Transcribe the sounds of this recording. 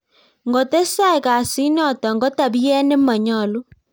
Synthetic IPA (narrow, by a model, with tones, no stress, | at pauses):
ŋɡɔ˨te˦sa˦e˨ka˨si˦nɔ˦˨tɔ˨ŋɡɔ˦ta˨bi˦ɛ˦ne˦ma˨ɲɔ˨lu˦